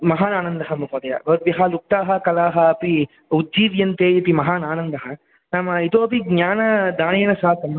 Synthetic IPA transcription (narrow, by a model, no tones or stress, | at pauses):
mɐɦaːnaːnɐnd̪ɐɦɐmɐkoːd̪ɐjɐ̰ʋɐɾʋjɐɦaːluk̚t̪aːɦɐkɐlaːɦɐːpi | ud̪d͡ʒiːʋjɐnt̪eːjɐpimɐɦaːnaːnɐnd̪ɐɦɐ | naːmɐit̪oːpiɡɲaːnɐd̪aːneːnɐsaːkɐm